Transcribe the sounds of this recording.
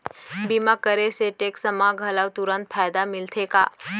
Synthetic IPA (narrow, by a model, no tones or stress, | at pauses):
bimakəɾeseʈeksəmaɡʱəlawt̪uɾə̃nt̪̚pʰajd̪amɪlt̪ʰeka̰